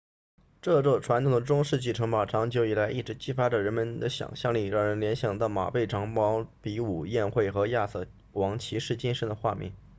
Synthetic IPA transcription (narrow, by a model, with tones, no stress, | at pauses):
ʈ͡ʂɤ˥˧ʈ͡ʂɔ˥˩ʈ͡ʂʰwa˧˥nt̪ʰŋd̪ə˩ʈ͡ʂʊ˥ŋʂɻ̩˥˧t͡ɕi˥˩ʈ͡ʂʰɤ˧˥ŋpɑ˨˩ʈ͡ʂʰɑ˧˥ŋt͡ɕjo˧˥ʊi˨˩la˧˥ɪʔi˥˩ʈ͡ʂɻ̩˧˥t͡ɕi˥fa˥ʈ͡ʂə˨ɻə˧˥nmə˧nd̪ə˨ɕjɑ̰˨˩ŋɕjɑ˥˧ŋli˥˩ɻɑ˥˩ŋɻə˧˥nljɛ˧˥nɕjɑ˨˩ŋt̪ɑ˥˩ʊma̰˨˩pe˥˩ɪʈ͡ʂʰɑ˧˥ŋmɑ˧˥ʊpi˧˥u˨˩jɛ˥˧nxwe˥˩ɪxɤ˧˥ja˥˧sɤ˥˩ | wɑ˧˥ŋt͡ɕʰi˧˥ʂɻ̩˥˩t͡ɕi˥nʂə˧˥nd̪ə˧xwa˥˧mjɛ̰˥˩n